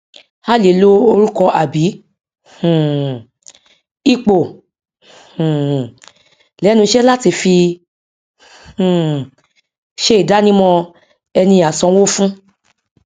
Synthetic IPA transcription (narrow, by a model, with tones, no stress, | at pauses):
ha˦˨le˨lo˦o˧ɾũ˦kɔ̃˧ʔa˨bĩ˨˦˨ | i˦k͡po˨ | lɛ˨˦nũ˧˦ʃɛ˦la˦ti˧fi˧˨ | ʃe˦i˦˨da˦nĩ˦mɔ̃˦˧ | ɛ˧nĩ˧a˨sɔ̃˧wo˦fũ˦